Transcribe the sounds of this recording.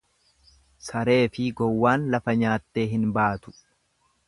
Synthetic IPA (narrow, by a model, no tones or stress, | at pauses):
sɐɾe̞ːfɪɡɔwːaːnlɐfɐɲaːt̪ːe̞ːɦɪnbaːt̪ʊ̥